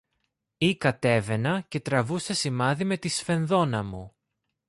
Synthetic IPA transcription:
ikɐt̪e̞ve̞nɐce̞t̪ɾɐvusesimɐðime̞t̪isfe̞nðo̞nɐmu

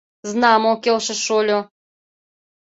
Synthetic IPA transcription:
znɑmokʲelˠʃɘ̆ʃolʲo

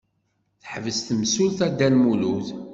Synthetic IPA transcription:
θəħvəst̪msulθæd̪ːælmuluθ

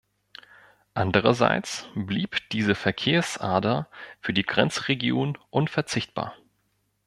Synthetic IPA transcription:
ʔandəʁɐza̰ɪt͡sb̥liːpd̥iːzəfɛɐkʰeːɐsʔa̰ːɐdɐfyːɐdiːɡʁɛnt͡sʁeɡjoːnʔʊnfɛɐt͡sɪçt̚b̥a̰ːɐ

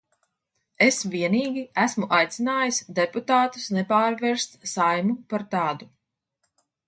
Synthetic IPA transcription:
esvʲiɛniːɡʲiæsmuʔajt̪sinaːjisd̪eput̪aːt̪u̥snepaːɾvɛɾst̪sajmupaɾt̪aːd̪u

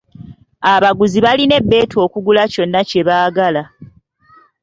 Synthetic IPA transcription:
aβaɡuziβaline̞bːe̞ːtuo̞ːkuɡulaco̞nːace̞βaːɡala

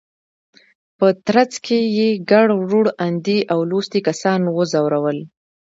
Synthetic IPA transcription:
pət̪ɾat͡skʰejeɡaɽʐuɽand̪iʔawlost̪ikasɑnwəzawɾawəl

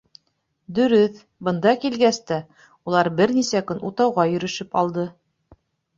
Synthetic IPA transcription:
d̪ɵ̆ɾɵθ | bɤ̆nd̪ɑkilɡæst̪æ | ulˠɑɾbɘɾnisækɵnʔut̪ɑwʁɑjɵ̆ɾɵ̆ʃɵpɑlˠd̪ɤ

